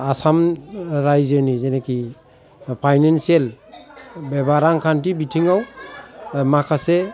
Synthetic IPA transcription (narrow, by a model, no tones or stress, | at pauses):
asamɾajzɯnizeneki | pʰajnensiel | bebaɾaŋkʰantibitʰiŋaw | makʰase